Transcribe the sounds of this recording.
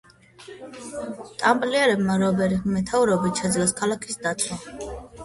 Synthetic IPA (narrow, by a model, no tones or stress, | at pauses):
t̪ʼambʼliɛɾɛbmaɾɔbɛɾimɛt̪ʰavɾɛbit̪ʃɛd̪zlaskʰalˠakʰi̥sd̪at̪sʰɔ